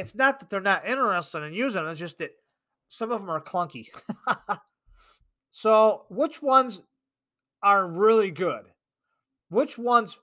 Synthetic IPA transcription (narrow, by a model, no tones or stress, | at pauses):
ɨtsnət̪̚ðət̪̚ðə˞nəɾɪ̃ñə˞ɛstɨ̃ŋɨ̃njʉzɪ̃ŋə̃d͡ʒʌst̚ðɨt̚ | sʌ̃mʌvə̃mə˞kʰl̥ʌ̃ŋki | soʊwɪt͡ʃwʌ̃nz | ə˞ɹɪlˠiɡʊd̥ | wɪt͡ʃwʌ̃nz